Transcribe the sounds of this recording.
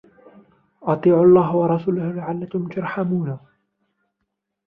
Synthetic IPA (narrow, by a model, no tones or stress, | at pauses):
ʔɑt̪ˤiːʕʊlˤːɑːɦwɑɾˤɑsuːlʊhlaʕalːakʊmt̪ʊɾˤħamuːna